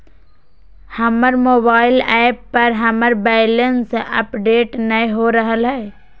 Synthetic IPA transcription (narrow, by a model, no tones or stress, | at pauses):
həməɾmoːbaːɪlɛːɪpːəɾɦəməɾbɛːɪlənsʔə̰pɖeːʈnəĩɦoɾəɦəlɦɛː